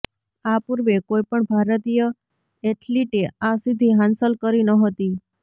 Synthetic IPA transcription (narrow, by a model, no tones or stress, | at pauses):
apuɾʋekojpəɳbʱaɾət̪ijə | eʈʰliʈeasid̪ʱiɦãnsəlkəɾinəɦət̪i